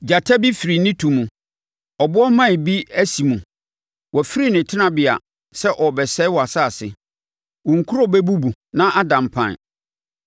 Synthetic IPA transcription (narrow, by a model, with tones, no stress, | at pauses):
d͡ʑa˨tʰa˦bi˦fi˨ɾi˨nĩ˦tʰũ˨mũ˨ | ɔ˨bʊ˦ɔ˦mã˦˨bi˦æ˦si˨mũ˨ | wʔɔ˨fi˦ɾi˦nɪ̃˨tʰɪ˦nã˦bɪ˨a̰˨ | sɛ˦ʔɔ˨bɛ˨sɛ˦wɔ˨a˨saː˦˨sɪ̰˨ | wɔ̃˨ŋ̩˨kʰu˦ɾɔ˦bɛ˦bu˦bu˨nã˦ʔa˦dã˨mpʰã̰˨n˨